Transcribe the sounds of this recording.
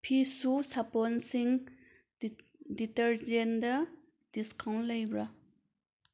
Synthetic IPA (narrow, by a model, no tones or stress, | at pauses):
pʰisusaponsiŋ | d̪itəɹd͡ʒɛnd̪ə | d̪̥iskʰãŋlajbɹa